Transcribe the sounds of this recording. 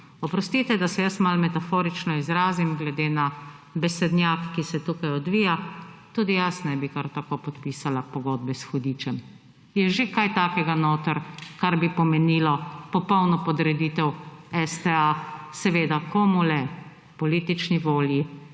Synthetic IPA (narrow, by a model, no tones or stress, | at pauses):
ɔpɾɔst̪it̪ɛd̪asɛjəsmalmɛt̪afoːɾit͡ʃnɔizɾaːzimɡlɛd̪eːna | bɛsɛd̪nʲjakːisɛt̪ukajɔd̪ʋiːjat̪uːd̪ijasnɛbikaɾt̪akopɔt̪piːsalapɔɡɔd̪̚bɛsxɔd̪iːt͡ʃɛm | jɛʒekajt̪aːkɛɡanoːt̪əɾkaɾbipɔmɛnilɔpɔpɔwnɔpɔd̪ɾɛd̪it̪ɛwɛst̪ɛasɛʋeːd̪akʰɔmulɛ | pɔliːt̪it͡ʃniʋoːlji